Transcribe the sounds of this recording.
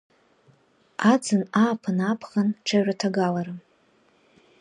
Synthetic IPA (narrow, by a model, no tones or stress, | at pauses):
ad͡zɨnaːpʰɨnapʰχanʈ͡ʂʰaʒʷᶣatʰaɡalaɾa